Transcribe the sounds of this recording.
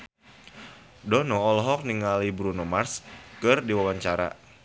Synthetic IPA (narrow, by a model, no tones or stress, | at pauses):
dɔnɔːlɔɦɔk̚niŋalibɾunomarskɨrdiwawaɲt͡ʃaɾa̰